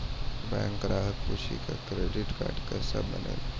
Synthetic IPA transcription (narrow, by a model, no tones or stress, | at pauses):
bajãŋkɾaɦək̪puɕḭkʰakɾeɖiʈka̰ɾɖkəsabənel